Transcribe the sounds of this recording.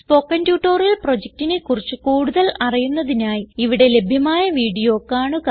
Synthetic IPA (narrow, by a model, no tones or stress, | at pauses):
spo̞ːkːɐndjuːʈːoːrɐlpro̞d͡ʑek̚tinekurit͡ɕːɨkuːɽuðɐlɐrijunːɐðinaːjiiʋiɽe̞le̞bʱjɐmaːjɐʋiːɽijo̞ːkːaːɳɨkɐ